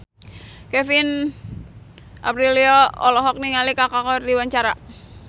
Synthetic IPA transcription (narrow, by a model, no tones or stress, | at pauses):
kɛfin | ʔa̰pɾiliɔɔ̰lɔɦɔk̚niŋalikakakɔrdiwaɲt͡ʃaɾa